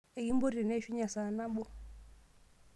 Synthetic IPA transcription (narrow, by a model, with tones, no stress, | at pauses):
e˨ji˦mbɔ˦ɾi˨ɾɛ˨nɛ˦ʃi˦ɲa˨sa˨na˦ɓɔ˦